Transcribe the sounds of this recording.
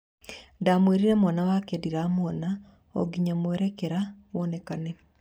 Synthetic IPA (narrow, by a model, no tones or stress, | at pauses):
ndamweɾiɾemwanawakediɾamoɔna | o̰ɡiɲamowɛɾɛkɛɾawɔnekane